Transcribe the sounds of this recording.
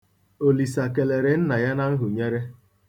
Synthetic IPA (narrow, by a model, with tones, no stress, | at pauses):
o˨li˨sa˨ke˨le˨ɾe˨n̩˦na˨ja˦na˦n̩˦ɦʊ˨ɲe˦ɾe˦